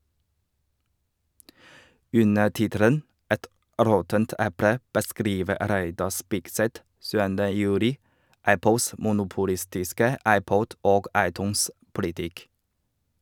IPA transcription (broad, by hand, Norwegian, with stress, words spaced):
ˈʉnə ˈʈɪtəɾən ˈɛt ˈɾɔtənt ˈʔɛpɽə bəˈskɾiːʋə ˈɾæɪdɑ ˈspɪɡsɛt ˈsʉːəndə ˈjʉːɾɪ ˈæpl̩s mʊnʊpʊˈlɪstɪskə ˈɑɪˌpɔd ˈoːɡ ˈɑɪˌtʉːns ˈpʊlɪtɪk